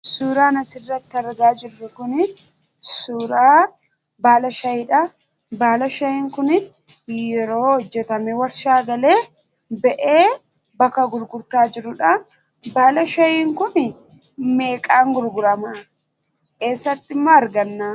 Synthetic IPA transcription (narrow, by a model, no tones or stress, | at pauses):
suːɾaːnɐsɪrːɐt̪ːɪɐɾɡaːd͡ʒɪrːʊkʊnɪ | suːɾaː | baːlɐʃɐjɪᶑɐ | baːlɐʃɐjiːŋkʊnɪ | jɛɾo̞ːhɔd͡ʒːɛt̪ɐmɛwɐɾʃaːɡɐle̞ː | bɛʔeː | bɐkːɐɡʊɾɡʊɾt̪aːd͡ʒɪɾʊᶑɐ | baːlɐʃɐjiːŋkʊn | me̞ːkʼaːŋɡʊɾɡʊɾɐma | keːsːɐt̪ːɪmːoːɐɾɡɐnːaː